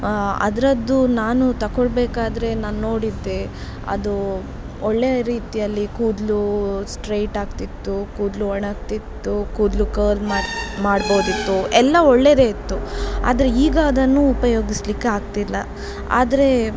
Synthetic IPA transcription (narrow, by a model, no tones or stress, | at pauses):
ɐ̰d̪ɐɾɐd̪ːunaːnut̪ɐkoɭbeːkaːd̪ɾe̞naːnːo̞ːɽid̪ːe̞ | ɐ̰d̪u | ɔɭːejɐɾiːt̪ijɐlːikuːd̪lusʈɾejʈaːɡt̪it̪ːukuːd̪luɐɳaːkt̪it̪ːukuːd̪lukɐːlmaːmaːɽboːd̪it̪ːuʔɛlːɐɔɭːe̞d̪e̞ːit̪ːua̰ːd̪ɐɾeiːɡaːd̪ɐnːuupɐjo̞ːɡislikːeaːɡ̚t̪ilːɐ̰ | a̰ːd̪ɐɾe̞